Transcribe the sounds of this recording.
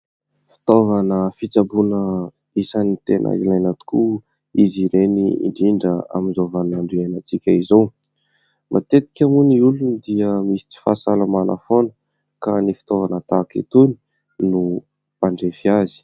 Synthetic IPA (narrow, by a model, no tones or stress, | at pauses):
fi̥t̪ovanəfit͡sabunə | isanit̪enʔa̰ilajnat̪u̥ku | iziɾeniḭɳɖ͡ʐiɳɖ͡ʐəa̰minzovanaɳɖ͡ʐianat͡sikʲaizow | mʔa̰t̪et̪i̥kʲamuniulunid̪iəmisi̥t͡si̥fasalamanʔa̰fonə̥ | kanifi̥t̪ovanət̪akḛt̪uni̥ | nu | paɳɖ͡ʐefiazi̥